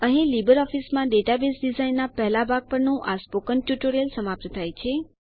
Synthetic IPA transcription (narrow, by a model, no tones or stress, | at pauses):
əɦĩlibəɾɔfismãɖeʈabesɖizainːapɛɦlabʱaɡ̚pəɾnũʔaspokənʈjuʈoɾəlsəmap̚t̪ət̪ʰajt͡ʃʰe